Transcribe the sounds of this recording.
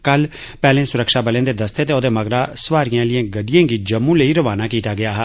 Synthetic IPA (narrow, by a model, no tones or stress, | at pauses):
kəl | pɛːlẽːsʊɾəkʃaːbəlẽːd̪eːd̪əst̪eːt̪eːoːd̪eːməɡɾaːsʋaːɾijãːlɪjãːɡəɖijãːɡiːd͡ʒəmːũːləiːɾəʋaːnaːkiːt̪aːɡɪaːɦɛ